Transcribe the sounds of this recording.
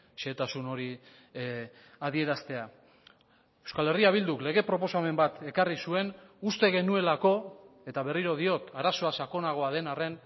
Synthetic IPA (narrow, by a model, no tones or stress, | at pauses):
ʃeːt̪asuno̞ɾi | aðie̞ɾast̪e̞a | ewskale̞riaβ̞ild̪ukle̞ɣ̞e̞pɾo̞po̞same̞mbat̪e̞karisue̞nust̪e̞ɣe̞nue̞lako̞ | e̞t̪aβ̞e̞riɾo̞ð̞io̞t̪aɾaso̞asako̞naɣ̞o̞aðe̞nare̞n